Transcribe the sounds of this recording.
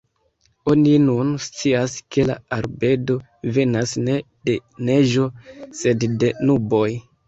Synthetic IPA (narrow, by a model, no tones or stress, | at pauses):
o̞ninunst͡siaske̞la̰aɾbe̞do̞ | ve̞nasne̞ | d̥e̞ne̞ʒo̞se̞dde̞nubo̞j